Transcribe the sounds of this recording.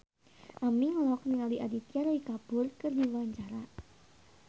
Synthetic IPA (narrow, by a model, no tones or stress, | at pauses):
ʔamiŋlɔk̚niŋaliʔadit̪iaɾwikab̥ʊrkɨrdiwaɲt͡ʃaɾa